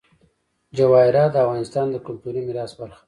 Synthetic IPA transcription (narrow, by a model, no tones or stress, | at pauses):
d͡ʒawɑɪɾɑd̪əafɣɑnɪst̪ɑnd̪əkʊmt̪uɾimiɾɑsbaɾxḁ